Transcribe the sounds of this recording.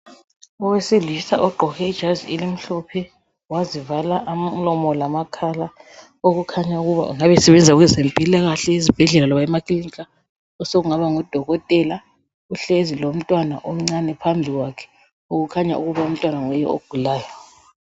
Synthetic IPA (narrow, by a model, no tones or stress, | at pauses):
ɔwesiɮisaʔɔɡ͡ǃʱɔɣɛid̥ʒ̥ʱazḭelim̩ɬɔpʰɛ | wazivalaʔam̩lɔmɔlamakʰala | oɣukʰaɲauɣuβa̰ṵŋaβɛsɛβɛnd͡zʱauɣɛzempʼilaɣaɬɛizib̥ʱɛɮɛlalɔβaɛmakiliŋkʼa | ɔsoɣuŋaβaŋɔd̥ʱɔɣɔtʼɛla | uɬezilom̩tʼwana̰ʔom̩ŋ͡ǀanɛpʰambʱiɣwakʰɛ̥ | oɣukʰaɲa̰ʔṵɣuβaum̩tʼwanaŋɛjɛ̰o̰ɡ̥ʱulaːjɔ